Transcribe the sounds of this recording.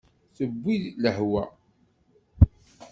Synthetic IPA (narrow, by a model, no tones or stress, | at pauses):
θəbʷːiðləhwæ̰